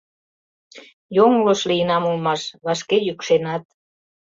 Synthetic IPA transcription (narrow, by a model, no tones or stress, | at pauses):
joŋloʃliənɑmulmɑʃβɑʃkejykʃenɑt̪̚